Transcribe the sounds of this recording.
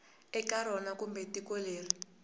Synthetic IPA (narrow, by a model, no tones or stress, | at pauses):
ɛkaɾɔnakumbɛtikoleːri